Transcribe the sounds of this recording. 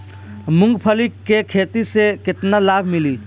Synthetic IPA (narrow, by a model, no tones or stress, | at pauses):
mʊ̃ŋɡpʰəlikːekʰeːt̪isekɪt̪nalaːbʱmɪliː